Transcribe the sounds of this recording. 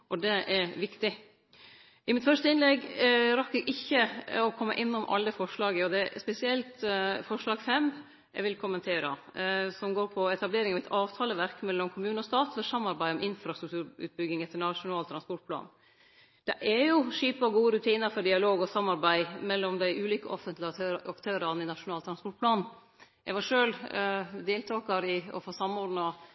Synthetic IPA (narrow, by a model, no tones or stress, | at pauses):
ʔɔd̪ɛʔɛɾʋɪkt̪ɪ | ʔɪmɪt̪fœʂt̪əɪnlɛɡɾɑkɛɡʔɪçːəɔkʰɔmːə̰ʔɪnːʊmʔɑ̰lːəfɔʂlɑːɡəɔd̪ɛspɛsɪɛlt̪fɔʂlɑːɡfɛm | ʔɛ̰ɡʋɪlkʰʊmːənt̪ʰeːɾə | sɔmɡoːɾpʰɔɛt̪ɑbleːɾɪŋɑʋɛt̪ʰɑːʋt̪ʰɑːləʋæɾkmɛlːɔmkʰʊmʉːnənɔst̪ɑːt̪fɔɾʂɑmːɑɾbæɪɔmʔɪnfɾɑst̪ɾʉk̚t̪ʉːɾʉ̰ːt̪̚bʏɡɪŋɛt̪ːəɳɑʂʊnɑːlt̪ʰɾɑnspɔʈ̚pʰlɑ̰ːn | d̪̥ɛʔæɾjʊʂiːpɔɡuːəɾʉt̪ʰiːnɑɾfɔɖɪɑloːɡɔsɑmːɑɾbæɪmɛlːɔmd̪æɪʔʉːliːkəʔɔfənt̪lɪɑkt̪ʰøːɾɑnɪnɑʂʊnɑːlt̪ɾɑnspɔʈ̚plɑːn | ɛɡʋɑɾʂøːld̪eːlt̪ʰɑːkɑɾɪɔ̰foːsɑmɔɾɖnɑ